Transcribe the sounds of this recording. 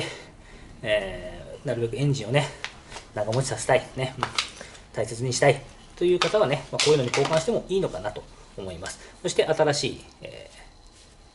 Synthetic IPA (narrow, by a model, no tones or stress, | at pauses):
e | eːnaɾɯbe̞kɯ̟ẽ̞ɲ̟d͡ʑĩɰ̃o̞ne̞ | naɡamo̞t͡ɕi̥sase̞̥t̪ainema | t̪aise̞t͡sɨɲ̟iɕi̥t̪ai | t̪o̞jɯ̟ːkat̪aβ̞ane̞mako̞ːjɯnoɲiko̞ːkãɰ̃ɕi̥t̪e̞mo̞ʔiːno̞kanat̪o̞̥omo̞imasɨ̥so̞ɕi̥t̪eʔat̪aɾaɕiːḛː